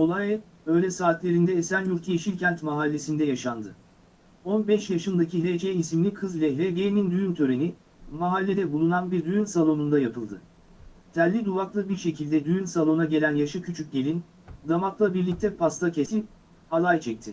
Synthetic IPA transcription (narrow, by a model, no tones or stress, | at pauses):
olˠajɛ | ø̞jlʲɛsaːt̪lʲe̞ɾind̪ɛːsænjuɾt̪ʰjeʃilʲcʰænt̪maɦalʲːe̞sind̪ɛjaʃand̪ɯ | o̞nbɛʃjaʃɯnd̪aciled͡ʒeisimlʲikʰɯzlʲɛlʲebejnind̪yjynt̪ʰø̞ɾe̞ni | maɦalʲːe̞d̪ɛbulˠunanbiɾd̪yjynsalˠo̞nund̪ajapʰɯlˠd̪ɯ̰ | t̪ʰælʲːid̪uvaklˠɯbiɾʃe̞cʰilʲd̪ɛd̪yjynsalˠo̞naɟe̞lʲænjaʃɯcʰyt͡ʃʰyc̚ɟelʲin | d̪amaklˠabiɾlʲic̚t̪ʰɛpast̪ʰacʰe̞sip̚ | alˠajt͡ʃʰɛc̚t̪ʰɪ